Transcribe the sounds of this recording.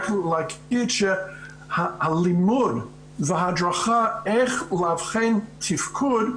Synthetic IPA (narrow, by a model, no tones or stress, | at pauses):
klaɪkit͡ʃə | həəlimud | vəɦadɹaχaɛɪχlav̥χẽntʰɪfkʰud